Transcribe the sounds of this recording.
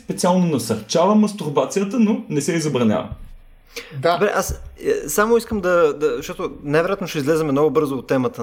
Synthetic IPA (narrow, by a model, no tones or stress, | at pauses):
spɛt̪sialˠnonɐsɐɾt͡ʃavəmɐst̪uɾbat̪sijət̪ənonɛsɛizɐbɾɐnʲa̰və̰ | d̪obɾɛ̰ʔasəsamoiskəmd̪ɐd̪ɐzʃt̪ɔt̪ʊnajvɛɾojat̪noʃtɛizlɛzɛmɛmnɔɡʊbɤɾzoːt̪ːɛmət̪ə